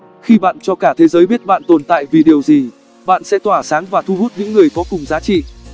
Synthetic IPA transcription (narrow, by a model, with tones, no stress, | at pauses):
xi˧ɓa̰ː˧˨nt͡ɕɔ˧kaː˧˩t̪ʰe˨˦zəː˨˦jɓi˦˥t̚ɓa̰ː˧˨nt̪o˨˩nt̪a̰ː˧˨jvi˨˩ɗi˨˩əwzi˨˩ | ɓa̰ː˧˨nsɛ̰˧˥t̪waː˧˩saː˨˦ŋvaː˨˩t̪ʰu˧hu˦˥t̚ɲɨ̰˧˥ŋːɨ˨˩əjkɔ˨˦kʊ˨˩ŋ͡mzaː˨˦t͡ɕḭ˧˨